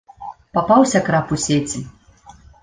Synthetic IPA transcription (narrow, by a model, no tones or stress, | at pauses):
papawsʲɐkɾapusʲet͡sʲi